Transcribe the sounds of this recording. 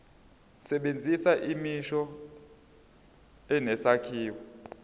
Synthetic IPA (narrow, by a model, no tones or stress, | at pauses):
sɛɓend͡zʱisaʔimiʃɔ | ɛnɛsakʰiːwɔ